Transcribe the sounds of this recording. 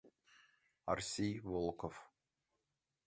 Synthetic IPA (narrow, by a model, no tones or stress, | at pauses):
a̰rsʲejvolˠkof